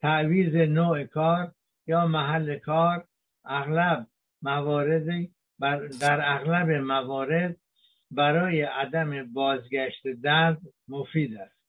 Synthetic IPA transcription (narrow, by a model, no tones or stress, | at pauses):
t̪ʰæʔviːzenoːʔekʰɒːɾ | jɒːmæɦælːekʰɒːɾ | æɣlæb̚ | mævɒːɾed̪ | bd̪æɾæɣlæbemævɒːɾe̞d̪̚ | bæɾɒːjeʔæd̪æmebɒːzɡæʃt̪ed̪æɾd̪mofiːd̪æst̪